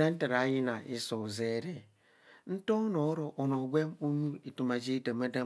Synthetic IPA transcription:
a˦n̩˦ta˨ɾa˨˦ji˦na˨ʔi˦so˨ze˦˨ɾe˨ | n̩˦to˦no˨˦ɾo˨ʔo˨no˨ɡʷe˦mu˦nu˦i˨tu˨ma˨d͡ʒi˦da˨ma˦da˦

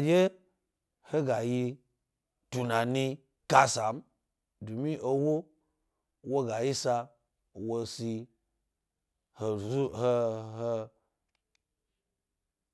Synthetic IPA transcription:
a˨d͡ʒe˦ | ho˦ɡa˨ji˧ | tu˨na˨ni˧ | ka˦sa˨m | du˨mĩ˦ʔo˧wo˦ | wo˦ɡa˨ji˦sa˧ | wo˧si˧ | ho˧˨u˦ho˧ho˧

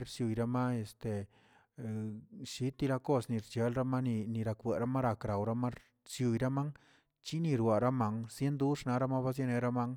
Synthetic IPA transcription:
ɾsju˨jɾa˧˦ma˦e˨st̪e˨ | ʃi˦t̪ːi˧la˧ko˦sni˨ɾt͡ʃe˨˦lɾa˦ma˦ni˧ni˧ɾa˧kwe˨ɾa˦ma˦ɾa˨kɾa˨wɾa˦ma˦ | sju˨jɾa˦ma˦ŋ | t͡ʃi˦ni˧ɾwa˨ɾa˦ma˧ŋsje˦nd̪u˦ʂna˧˦ɾa˦ma˦ba˦s̬je˦ne˧ɾa˦ma˦ŋ

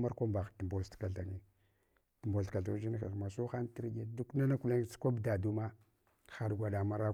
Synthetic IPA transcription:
ma˦ɾkʷa˦mba˨xti˨mbo˨lska˨ɬa˨ŋi˨ | ti˨mbo˨ka˨ɮa˨˦d͡ʒi˦n˦xa̰˨ma˨su˦xa˦n˦ti˦ɾɡe˦du˦kna˦na˦ku˦la˦ŋ˦t͡skʷa˦bda˨du˦ma˦ | xa˨dɡʷa˨ɗa˨ma˦ɾa˦

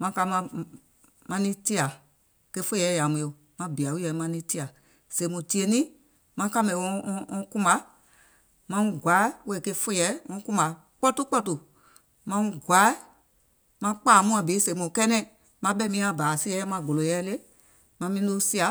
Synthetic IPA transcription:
mã˧˦ka˧˦mã˧ | mã˧nĩ˦ti˦a˨ | ke˧fo˦jɛ˨˦ja˨mũ˨˧o˨ | mã˨˦bi˨a˨wu˦jɛ˧˨˦mã˧˦nĩ˧˦ti˦a˨ | se˨˦mũ˨ti˦e˧nĩ˦ | mã˧˦ka˦mɛ̃˨˧˦ɔ̃˦kũ˦ma˨˦ | mã˧˦˨ɡʷa˨˦we˦˨ke˧fo˦jɛ˨˦ŋɔ̃˧˦kũ˦ma˨ | k͡pɔ˦tu˦k͡pɔ˦tu˨ | mã˧˦ɡʷa˨˦ | mã˧˦k͡paː˦˨mũ˦ã˧˨bi˨˦se˨˦mõ˨kɛ˦nɛ̃˦˨ | mã˧˦bɛ˦mĩ˦ã˧˨baː˨si˦ɛ˧˦ɛ˦mã˧˦ɡo˨lo˨jɛ˦le˦ | mã˧˦mĩ˦lo˦si˦a˨

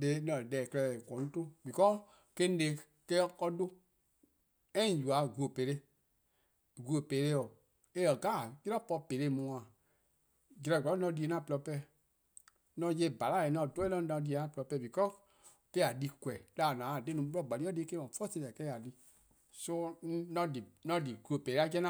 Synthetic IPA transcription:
de˨˦nɔ̃˧˨dɛː˨klɛ˧˨kɔ˨˦nũ˦tõ˦bi˨kɔ˦ | ke˦nĩ˦le˨˦ | kɛ˦kɔ˦do˦ | ɛ̃˦˨ju˨a˨ɡu˨o˨pe˨ɾe˦ | ɡu˨o˨peː˨˦ɾe˦ɔ˨ | e˦ə˨ɡaː˦˨ki˦ɾɔ˦pɔ˧pe˨ɾe˦˨mũ˨˦ã˨ | d͡ʒi˨˧ɾa˨ɡʷɔ˨˦nɔ̃˧˦di˧˨e˨nã˦˨plɔ˧˦pɛ˦˨ | nɔ̃˧je˧˦˨ba˨la˦˨e˨nɔ̃˧˨do˦e˦lɔ̃˦ã˧di˧e˨nã˦plɔ˧pɛː˧˨bi˨kɔ˦ | ke˦˨a˨di˧kwɛ˨laː˨nãː˨˦a˨de˦nũ˨˦bɔ˦˨ɡ͡ba˨li˦ɔ˦de˦ke˦mã˨˦fɔ˦se˧˨ɛ˨kɛ˦˨a˨di˧ | so˧˦nɔ̃˧di˨nɔ̃˧di˨ɡu˨o˨peː˨ɾe˦a˦kɛ˦nã˦

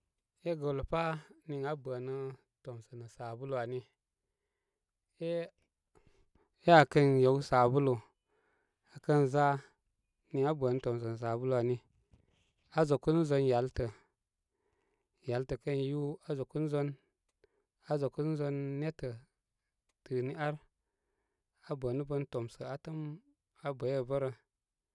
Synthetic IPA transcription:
e˦ɡo˨lpa˦ni˨ŋa˦bʷə˨nɨ˦ | to˨msə˨nɨ˨sa˨bu˦lu˨a˨ni˦ | e˦ | e˦a˨kə˦nje˨wsa˨bu˦lu˨ | a˨kə˦nza˦ | ni˨ŋa˦bə˨nɨ˦to˨ms̬ə˨nə˨s̬a˨bu˦lu˨a˨ni˦ | a˨zo˨ku˦n˦zo˧˦nja˨˦ltə˨ | ja˨˦ltə˨kə˦nju˦a˨zo˨ku˦n˦zo˦n | a˨zo˨ku˦n˦zo˧nːe˦tə˨ | tɨ˨ni˦a˦ɾ | a˨bʷə˨nu˦bə˧nto˨msə˨a˨tə˦m | a˨bə˨je˦˨bə˦ɾə˨

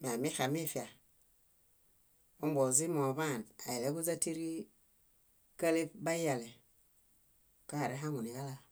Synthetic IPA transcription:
m˨a˨mi˦xa˨mi˦˨fi˨a˨ | o˦m˦bo˨zi˦mo˨βa˦˨na˨je˨le˦ɡu˦za˦ti˦ɾi˦ | ka˦le˦pba˦ja˨le˨ | ka˦a˨ɾe˦ɦa˦ŋu˨ni˨ɡa˦la˦

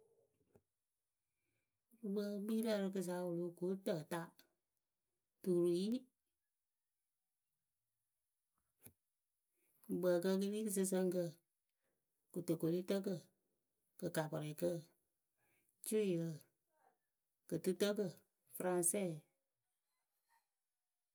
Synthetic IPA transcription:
ɾu˨ɡ͡bə˧˦ɡ͡bi˦lə˧ɾɨ˧kɨ˧s̬a˧˦wo˨lo˦ku˨˦tə˦˨ta˦ | tu˨ɾu˨ji˦ | kɨ˨ɡ͡bə˨kə˧k̬ɨ˦li˦kɨ˦˨s̬ɨ˧s̬ə˧ŋkə˧ | ku˨tə˨ko˨li˦tə˦k̬ə˦˨ | kə˨ka˨pɔ˨ɾɛ˨kə˦ | t͡ʃu˦˨jə˧˨ | kə˨tɨ˦tə˦kə˦˨ | fɾã˧nsɛ˦˨

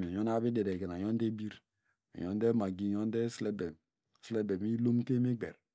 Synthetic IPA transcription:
ɲo˦na˦bi˦de˨de˨ɡe˨na˨jo˦n˦de˦bi˦ɾ | a̰˨jo˦n˦de˦ma˨ɡi˦˨jo˦n˦de˦se˦be˨m˨ | sle˦be˨mi˦lo˦m˦ke˦mi˦ɡ͡bḛ˨ɾ

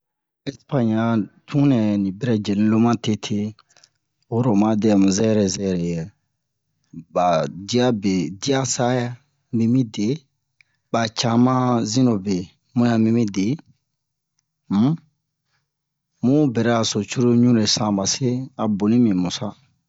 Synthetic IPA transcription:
ɛ˦spã˦ɲa˨tʰũ˦nɛ˨nĩ˨bɛ˦ɾɛ˦d͡ʒe˨lĩ˦lo˦mã˦te˦tʰe˦ | wo˦ɾo˨mã˦dɛ˦˨mũ˨zɛ˦ɛ˦ɾɛ˨zɛ˦ɛ˨ɾɛ˨jɛ˨ | ba˨di˦a˦be˨di˦a˦sa˦ja˦ | mĩ˦mĩ˦de˨ | ba˨t͡ʃa˦mã˦zĩ˦no˨be˨ | mũ˦ja˨mĩ˦mĩ˦de˨˦ | m̩˦ | mũ˦bɛ˨ɾɛ˦a˨so˨t͡ʃu˦ɾo˦ɲũ˦ɾe˨sã˨ba˨se˦a˨bo˨nĩ˦mĩ˨mu˨sa˦

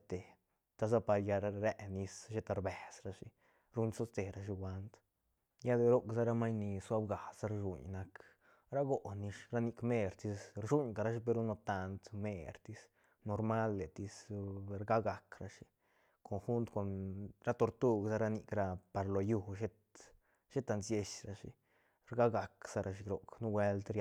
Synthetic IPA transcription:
t̪e˨ | t̪a˧s̬a˦pa˧ɾja˧ɾɾe˦ʔni˧sʃe˦t̪a˧ɾbe˨sɾa˧ʂi˧ | ɾu˧˦nso˦st̪e˨ɾa˧ʂi˧wʷa˧nt̪ | ja˦d̪e˧ɾo˦ksa˦ɾa˦ma˦jni˧swa˦bɡa˨sa˦ɾʒṵ˨ɲna˧k | ɾa˦ɡo˨ʔni˧ʃɾa˦ni˧kme˦˧ɾt̪i˧sɾʂu˦ɲka˨˧ɾa˧ʂi˦p̬e˧ɾu˦no˧t̪a˧nt̪me˧ɾt̪i˧s | no˧ɾma˦lːe˨t̪i˧sɾɡa˦ɡa˨kɾa˧ʂi˧ | kʰo˧nxu˦nt̪ko˨nɾa˦t̪o˧ɾt̪u˦ɡsa˦ɾa˧ni˧kɾa˧pa˨ɾlo˨ju˦ʃe˦t̪ | ʃe˦t̪a˧nsje˧ʃɾa˧ʂḭ˧ | ɾɡa˦ɡa˨ksa˦ɾa˧ʃ̬i˧ɾo˨knu˦we˧˦lt̪ɾ

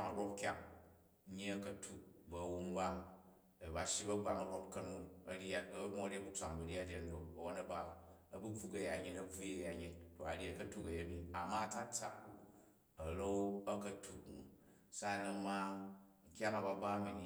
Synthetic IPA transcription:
a˨ŋa˨ɾo˦p̚kʲa˦˨ŋ˦ | ɲi˦ɐ˦kɐ˨tʰu˨bɐ˨wu˦m˦ba˦ | e˨ba˨ʃi˦bɐ˦ɡ͡ba˨ŋɐ˨ɾo˦p̚kɐ˦nu˦ɐ˦ɾi˦a˦bo˦a˦ɾe˦bu˦t͡sʷa˨ŋ˨bɐ˨ɾi˦a˦ɾʲe˦n̩˦do˨bɐ˨wo˦nɐ˦ba˦ | ɐ˦bɨ˦ku˦kɐ˨ja˨ɲi˦nɐ˦b͡vu˦e˦ja˨ɲi˦nto˨a̰˨ɾi˦ɐ˦˨kɐ˦tu˦kɐ˨je˦mĩ˦a˨ma˦ta˦t͡sa̰˨ | ɐ˨lo˦ɐ˦kɐ˦tʰu˨knṵ˨ | sa˦˨na˨˦ma˦ŋ̩˨kʲa˦na˨ba˨ba˦mi˨ni˨˦

